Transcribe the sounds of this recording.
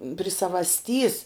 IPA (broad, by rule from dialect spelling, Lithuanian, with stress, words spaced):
pʲrʲɪ sɐʋɐsʲˈtʲiːs